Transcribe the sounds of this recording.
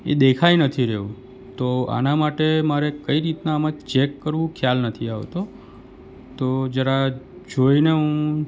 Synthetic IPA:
ḛd̪ekʰajnət̪ʰiɾeũ | t̪oa̰namaʈemaɾekəiɾit̪naːmãt͡ʃekːəɾʋũkʰjalnət̪ʰiaʋt̪o | t̪od͡ʒəɾad͡ʒoineɦũ

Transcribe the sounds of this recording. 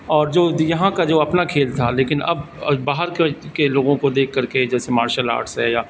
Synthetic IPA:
ɔːɾd͡ʒoːjɐɦãkad͡ʒoːɐpnakʰeːlt̪ʰaleːkɪnɐ̰b | baːɦəɾkkeloːɡõkod̪eːkʰːɐɾked͡ʒɛːsemaːɾʃəla̰ːɾʈsɦɛjaː

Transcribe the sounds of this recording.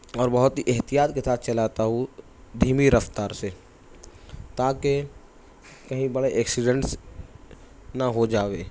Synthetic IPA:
ɔːɾbɐɦʊt̪ɦiʔɛɦt̪ijaːt̪kesaːt̪ʰt͡ʃɐlaːt̪aɦu | d̪ʱiːmiɾəft̪aːɾse | t̪aːke | kɐɦĩbɐɽeʔɛːksɪɖə̃ɳʈs | naɦod͡ʒaːʋeː

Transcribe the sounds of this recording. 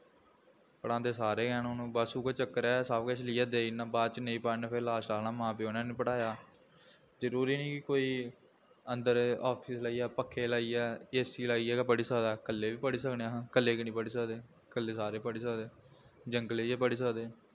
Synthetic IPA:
pəɽãːnd̪eːsaːɾeːkɛːnoːnũːbasuːkoːt͡ʃəkːəɾɛːsaːbkəʃʰliːɛːd̪eːɪnːãːbaːd̪̚t͡ʃneĩːpaːneːpʰeɾlaːʃʈaːlnaːmãːpeːonãːnĩpəɽaːjaː | zəɾuːɾiːnĩːkɪkoːiː | ənd̪əɾaːpʰiːslaːiːɛːpəkʰːeːlaːiːɛːeːsiːlaːiːɛːkːpəɽiːsaːd̪aːkəlːeːʋiːpəɽiːsəkneãːkəlːeːkinĩːpəɽiːs̬əkd̪eː | kəlːeːsaːɾeːpəɽiːsəːd̪eː | d͡ʒəŋɡleːɛːpəɽiːs̬əkd̪eː

